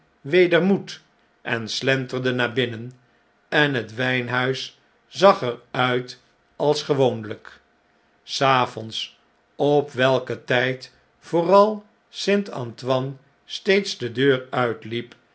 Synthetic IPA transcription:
ʋejdəɹmut | ʔɛnslɛntərdənaːbɪnən | ɛnɦətʋɛjnɦœɥs | zɑχəɹœɥt | ʔɑlˠsχəʋownlək | saːfɔns | ɔpʋɛlˠkətɛjt | fʊːrɑlˠ | sɪntɑ̰ntʋɑn | stejtsdədøːɹœɥtlip

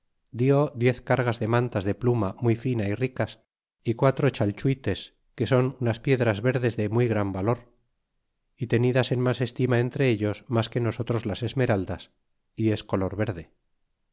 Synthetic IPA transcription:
d̪joðje̞θkaɾɣazðe̞mãnt̪azðe̞plumamujfinairikas | ikwat̪ɾo̞t͡ʃalt͡ʃuit̪e̞s | ke̞so̞nunaspje̞ðɾazβe̞ɾðe̞zðe̞mujɣɾambalo̞ɾ | it̪e̞niðase̞nmase̞st̪imae̞nt̪ɾe̞eʎo̞smaske̞no̞so̞t̪ɾo̞zlase̞zme̞ɾald̪as | ie̞sko̞lo̞ɾβe̞ɾðe

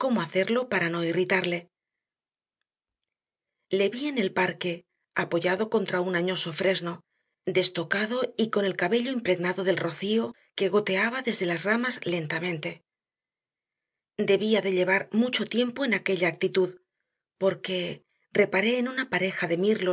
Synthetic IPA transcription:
ko̞mo̞aθe̞ɾlo̞paɾano̞irit̪aɾle̞ | le̞βiene̞lpaɾke̞ | apo̞ʝaðo̞ko̞nt̪ɾaunaɲo̞so̞fɾe̞zno̞ | d̪e̞st̪o̞kaðo̞iko̞ne̞lkaβe̞ʎo̞impɾe̞ɣnaðoðe̞lro̞θio | ke̞ɣo̞t̪e̞aβaðe̞zðe̞lazramazle̞nt̪amẽ̞nt̪e̞ | d̪e̞βiaðe̞ʎe̞βaɾmut͡ʃo̞t̪je̞mpo̞enake̞ʎaːk̚t̪it̪uð | po̞ɾke̞ | re̞paɾe̞ːnunapaɾe̞xaðe̞miɾlo

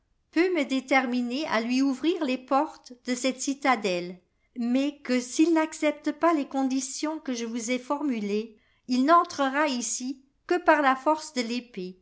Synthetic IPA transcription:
pøməd̪et̪ɛʁminea̰lɥiuvʁiːʁlepɔʁt̪d̪əsɛt̪sit̪ad̪ɛl | mɛkəsilnaksɛp̚t̪əpalekɔ̃d̪isjɔ̃kəʒəvuzɛfɔʁmyle | ilnɑ̃t̪χəʁaisi | kəpaʁlafɔʁsd̪əlepe

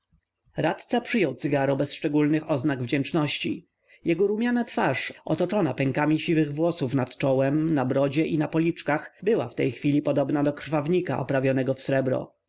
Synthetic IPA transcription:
ɾat̪t̪sapʂɘjɔwt̪sɘɡaɾɔbɛsʂt͡ʂɛɡulnɘxɔznaɡvd͡ʑɛnt͡ʂnɔɕt͡ɕḭ | jʔɛɡɔɾumʲjanat̪faʂɔ̰t̪ɔt͡ʂɔnapɛŋkamʲiɕivɘɣvwɔsufnat̪t͡ʂɔwɛmnabɾɔd͡ʑɛʔinapɔlʲit͡ʂkaxbɘwa̰ft̪ɛjxfʲilʲipɔd̪ɔbnad̪ɔkɾ̥favɲika̰ʔɔ̰pɾavʲjɔnɛɡɔfsɾɛbɾɔ̰

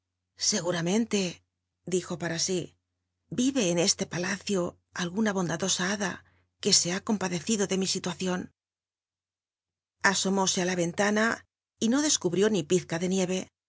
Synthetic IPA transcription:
se̞ɣuɾamẽ̞nt̪e̞ | d̪ixo̞paɾasi | biβe̞ːne̞st̪e̞palaθjo̞ | alɣunaβ̞o̞nd̪aðo̞saaða | ke̞se̞ako̞mpaðe̞θiðo̞ðe̞misit̪waθjo̞n | aso̞mo̞se̞alaβe̞nt̪ana | ino̞ðe̞skuβɾjo̞nipiθkaðe̞nje̞βe̞

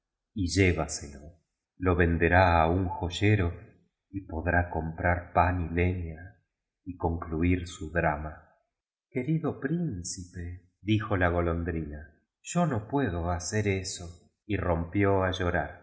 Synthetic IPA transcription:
iʒeβaselo | lo̞βe̞nd̪e̞ɾaːuŋxoʒeɾo̞ | ipo̞ðɾako̞mpɾaɾpanileɲa | iko̞ŋkluiɾsuðɾama | ke̞ɾiðo̞pɾinsipe̞ | ðixo̞laɣo̞lo̞nd̪ɾina | ʒ̥o̞nopwe̞ð̞o̞aseɾeso | irompjo̞aʒo̞ɾaɾ

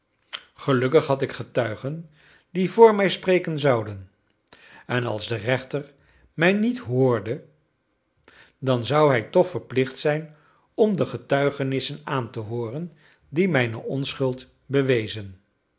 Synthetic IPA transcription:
χəlɵkəχɦɑtɪkχətœɥχən | divʊːɹmɛjsprejkənzɑwdən | ɛnɑ̰lˠzdərɛχtər | mɛjnitɦʊːɹdə | dɑnzʌwɦɛjtɔχfəɹplɪχtsɛjn | ɔmdəχətœɥχənɪsənaːntəɦoːrən | dimɛjnə̰ʔɔnsχɵlˠt | bəʋejzən

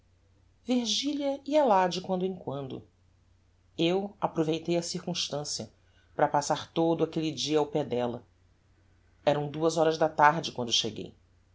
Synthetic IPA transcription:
viɾʒiliɐiɐlad͡ʒɪkwɐ̃nd̪ʊẽkwɐ̃nd̪ʊ̰ | ewapɾovejt̪ejɐsiɾkũʃt̪ɐ̃siɐ | pɾɐpasaɾt̪od̪ʊakelid͡ʒiɐawpɛd̪ɛlɐ | ɛɾɐ̃w̃d̪uɐzɔɾɐzd̪ɐt̪aɾd͡ʒɪkwɐ̃nd̪ʊʃeɡḛj

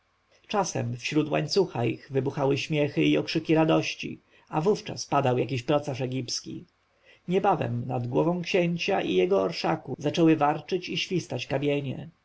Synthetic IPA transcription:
t͡ʂasɛ̰mfɕɾut̪wa̰ɲt̪suxaiɣvɘbuxawɘɕmʲjɛxɘiɔkʂɘkʲiɾad̪ɔɕt͡ɕḭ | avuft͡ʂa̰spad̪awjak̬ʲiɕpɾɔt̪saʂɛɡʲipskʲḭ | ɲɛbavɛ̰mnad̪ɡwɔvɔ̃w̃kɕɛɲt͡ɕaʔijɛɡɔɔɾʂakuzat͡ʂɛwɘvaɾt͡ʂɘt͡ɕiɕfʲist̪at͡ɕkabʲjɛɲɛ̰

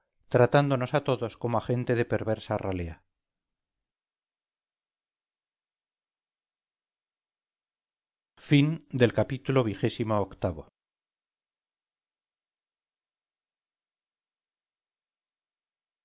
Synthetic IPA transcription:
t̪ɾat̪and̪ono̞sat̪o̞ðo̞sko̞moaχe̞nt̪eðe̞pe̞ɾβe̞ɾsaralea | find̪e̞lkapit̪ulo̞β̞ixe̞simo̞ːkt̪aβo̞̰

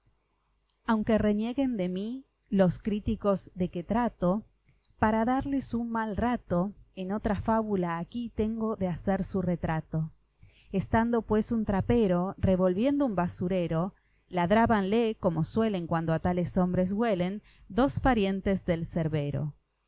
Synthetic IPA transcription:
awŋke̞re̞nje̞ɣe̞nd̪e̞mi | lo̞skɾit̪iko̞zðe̞ket̪ɾat̪o̞ | paɾaðaɾle̞sunmalrat̪o̞eno̞t̪ɾafaβulaːkit̪e̞ŋɡo̞ðeaseɾsuret̪ɾat̪o | est̪and̪o̞pwe̞sunt̪ɾapeɾo̞reβo̞lβje̞nd̪oumbasuɾeɾo̞ | laðɾaβanleko̞mo̞swe̞le̞ŋkwand̪oat̪ale̞so̞mbɾez̬ɣwe̞le̞n | d̪o̞spaɾje̞nt̪ezðe̞lseɾβe̞ɾo̞̰

